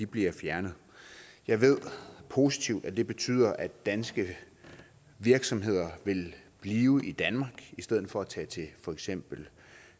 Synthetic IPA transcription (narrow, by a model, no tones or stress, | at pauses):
ib̥liɐfjæɐnəð̩ˠ | jɑ̈ɪʋe̝ð̞̰ˠpʰo̝sit͡sʰiʊ̰d̥æd̥e̝b̥e̝t͡sʰy̰ːð̞̰ˠɐʔæd̥ænsɡ̥ə | ʋiɐɡ̥sɒ̽mɦe̝ð̞̰ˠɐʋe̝lb̥liːʊʔid̥ænmɑ̈ɡ̥isd̥eð̰ˠð̩ˠfɒ̽æt͡sʰɛ̰ːt͡sʰe̝fɒ̽eɡ̥sem̰b̥l̩